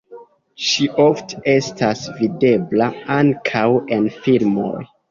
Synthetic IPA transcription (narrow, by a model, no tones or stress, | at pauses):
ʃiʔoftee̞stʰasvide̞blaaŋkʰawenfilmo̰j